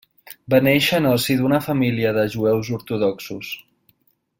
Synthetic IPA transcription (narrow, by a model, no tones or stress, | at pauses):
bənɛʃənəlˠsiðunəfəmiliəðəʒuɛwzuɾt̪uðɔksṵs